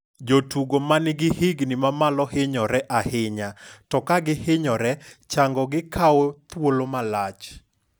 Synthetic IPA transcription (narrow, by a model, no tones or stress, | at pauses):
d͡ʒotuɡomanɪɡɪhɪɡnɪmamalɔhɪɲɔɾɛʔahɪɲatɔkaɡɪhɪɲɔɾɛt͡ʃaŋɡɔɡɪkʰaot̪wolomalat͡ʃ